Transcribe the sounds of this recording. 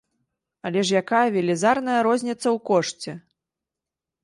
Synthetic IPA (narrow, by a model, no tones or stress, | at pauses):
ɐlʲɛʂjakajɐvʲɛlʲɛzarnɐjɐɾɔzʲnʲɛt̪sːɐwkɔʂt͡sʲɛ